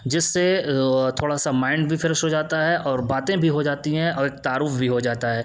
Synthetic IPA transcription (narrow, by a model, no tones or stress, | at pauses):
d͡ʒɪsːet̪ʰoːɽasamãːɪ̃ɳɖbʱifɪɾəʃʈɦod͡ʒaːt̪aɦɛʔɔːɾbaːt̪ẽbʱiɦod͡ʒaːt̪iɦɛ̃ɔːɾeːk̚t̪aːɾuːfbʱiɦod͡ʒaːt̪aɦɛː